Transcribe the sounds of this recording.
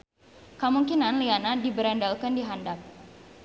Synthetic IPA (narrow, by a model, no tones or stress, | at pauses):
kəmuŋkinanlianadibəɾandalkandiɦandap̚